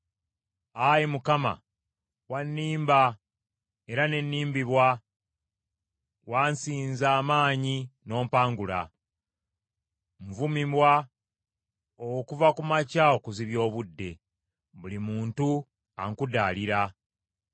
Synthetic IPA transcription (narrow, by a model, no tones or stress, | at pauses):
ajimukama̰ | wanːiːmba | e̞ɾane̞nːiːmbiβwa | waːnsiːnzaːmaːɲino̞ːmpaːŋɡula̰ | ɱvumimwa | okuvakumacao̞kuziβjo̞ːβudːe̞ | βulimuːntu | aŋkudaːliɾa